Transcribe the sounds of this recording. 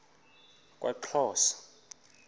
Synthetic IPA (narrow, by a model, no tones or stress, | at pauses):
kʼwʔa̰ǃʰɔːsḁ